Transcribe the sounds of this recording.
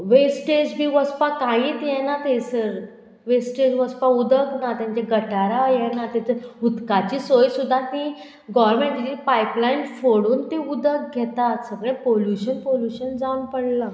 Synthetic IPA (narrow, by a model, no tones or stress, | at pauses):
ʋesʈed͡zbʱiːʋəspakãɦĩːt̪jɛnat̪esəɾ | ʋesʈed͡ʑʋəspaud̪əknat̪jãɲt͡ɕaɡəʈaɾajɛnat̪jat͡səut̪kat͡ɕiːsojsud̪ʱːat̪i | ɡɔʋəɾmẽɳʈd͡ʑiːpajplainfoɽuːnt̪eud̪ək̚ɡʱɛt̪at̪səɡɭẽpoljuɕənpoljuɕənd͡zaunpəɽla